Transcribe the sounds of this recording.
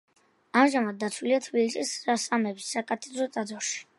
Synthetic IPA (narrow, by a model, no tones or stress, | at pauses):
amʒamad̪̚d̪ːat̪sʰwiliat̪ʰvilit͡ʃʼisɾasamɛbisːakʼat̪ʰʼɛd̪ɾɔt̪sʼad̪zɔɾʃi̥